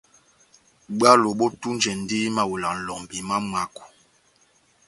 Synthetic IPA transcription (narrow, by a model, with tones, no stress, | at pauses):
ɡ͡ba˦lo˨ɓɔ˦tu˦n˦d͡ʒɛ˨n˦di˦ma˦wu˨la˨n̩˨lɔ˨ŋbi˨ma˦ma˦ku̥˨